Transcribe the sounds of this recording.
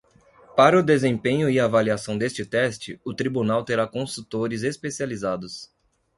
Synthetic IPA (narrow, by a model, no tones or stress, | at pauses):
paɾɐʊd̪ezẽpẽɲʊɪaːvaliasɐ̃w̃d̪est͡ʃɪt̪ɛst͡ʃɪʊt̪ɾibunawt̪eɾakõsut̪oɾɪzespesializad̪ʊs